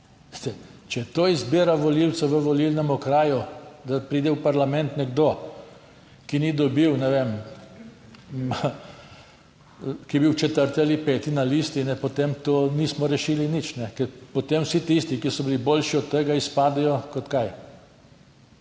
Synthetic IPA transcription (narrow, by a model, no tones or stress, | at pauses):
t̪ɛt͡ʃɛt̪oːizbiːɾaʋɔliw̪sɔʋəʋɔlilnɛmɔkɾaːjud̪apɾiːd̪ɛwpaɾlamɛnt̪nɛɡd̪o | kinid̪ɔbiwnɛʋem | kijɛbiwt͡ʃɛt̪əɾt̪ialipɛːt̪inalist̪inɛpɔt̪emt̪oːnismɔɾɛʃilinit͡ʃnɛkɛɾpɔt̪emwsit̪ist̪ikisɔbilibolʃiɔt̪ːəɡaispaːd̪ɛjɔkɔt̪kaj